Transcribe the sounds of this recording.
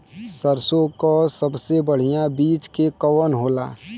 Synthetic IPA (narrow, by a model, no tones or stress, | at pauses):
səɾsokosəbsebəɽ̤ijãbiːt͡ʃkekəwənɦoːla̰ː